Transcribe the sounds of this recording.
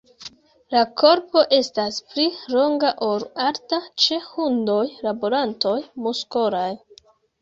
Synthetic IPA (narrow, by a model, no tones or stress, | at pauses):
lako̞ɾpo̞ʔe̞staspliɾo̞ŋɡaʔoɾaɾtat͡ʃe̞hundo̞jlaboɾanto̞jmuskoɾaj